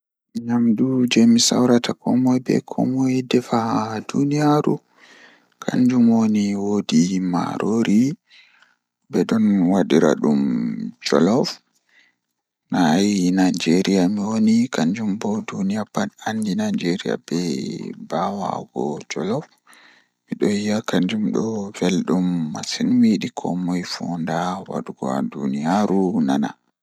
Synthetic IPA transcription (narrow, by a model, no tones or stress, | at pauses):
ɲamdud͡ʒɛmisa̰wɾatakʰɔmɔjbɛ̰kʰɔ̰mɔjdɛfahdunijaɾṵ | kʰaɲd͡ʒumwoniwodima̰ɾʔoɾi | bɛɗɔnwaɗiɾa̰ɗumd͡ʒɔ̰lɔf | naajnajd͡ʒeɾijamiwonikaɲd͡ʒumbɔdunijapaɗandinad͡ʒeɾija̰bɛbawa̰ɡɔd͡ʒɔlɔf | miɗɔjijakaɲd͡ʒumɗɔvelɗumːasinwiɗikʰɔ̰mɔjfɔndawa̰ɗuɡɔ̰a̰dunijaɾunana